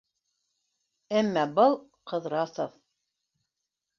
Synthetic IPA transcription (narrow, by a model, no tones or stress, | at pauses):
æmːæbɤlˠqɤ̆ðɾɑsof